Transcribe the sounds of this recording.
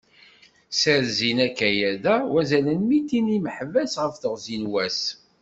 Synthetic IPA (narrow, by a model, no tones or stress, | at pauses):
sæɾzinækæjæðæwæzælənmit̪ːiniməħvæsʁəfθəʁzinwæs